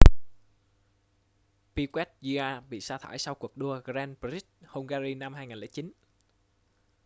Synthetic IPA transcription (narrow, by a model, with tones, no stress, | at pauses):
pi˧kwɛ˦˥t̚zi˧aː˧ɓḭ˧˨saː˧t̪ʰaː˧˩jsa˧wku˨˩ək̚ɗu˧əɣzɛ˧npɾi˦˥t̚ho˧wŋ͡mɣaː˧ɾi˧na˧mhaː˧jŋaː˨˩lɛ̰ː˧˩jt͡ɕi˨˦n